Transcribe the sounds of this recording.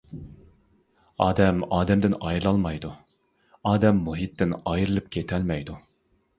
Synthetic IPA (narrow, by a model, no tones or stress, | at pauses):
ɑːd̪ɛmɑːd̪ɛmd̪ɪnɑjɾɨlˠɑlˠmɑjd̪u | ɑːd̪ɛmːuɦit̪ːɪnɑjɾɨlˠɨp̚kʲʰet̪ʰɛlmɛjd̪u